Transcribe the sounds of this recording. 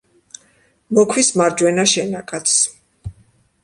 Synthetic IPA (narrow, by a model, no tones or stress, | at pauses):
mɔkʰwismaɾd͡ʒwɛnaʃɛnakʼat̪s